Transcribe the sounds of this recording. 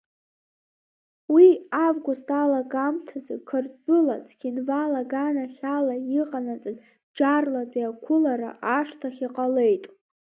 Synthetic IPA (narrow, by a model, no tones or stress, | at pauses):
wiavɡʷʊstʼalaɡamtʰazɨkʰɨrtʼbɨlat͡sʰʼɡʲinvalaɡanaχʲalajiqʼanat͡sʼɨz | d͡ʒarladiakʷʰʊlaɾa̰ʔaʂtʰaχʲiqʼale̞jtʼ